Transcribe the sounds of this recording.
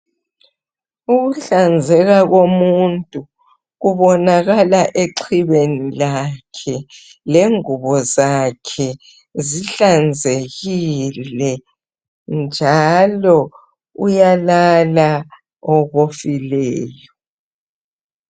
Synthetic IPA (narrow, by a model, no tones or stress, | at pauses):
uɣuɬand͡zʱɛɣaɣomuntʼu | ɣuβɔnaɣalaʔeǀʰiβenilakʰɛ | leŋuβɔzakʰɛ | ziɬand͡zʱeɣillɛ | nd͡ʒʱalɔ | ujalala | ɔɣofilɛːjɔ